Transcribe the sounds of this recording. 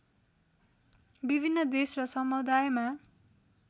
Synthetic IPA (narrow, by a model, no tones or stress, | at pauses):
bibʱinːʌd̪esrʌsʌmud̪ajma